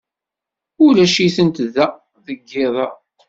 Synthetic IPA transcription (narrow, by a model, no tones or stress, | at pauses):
ʊlæʃiθənt̪ðːæ | ðəɡːɪðˤɑ